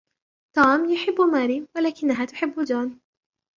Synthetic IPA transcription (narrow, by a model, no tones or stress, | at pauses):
t̪aːmjʊħɪbːmaːɾiːwalaːkɪnːaɦaːt̪ʊ̥ħɪbːd͡ʒaːn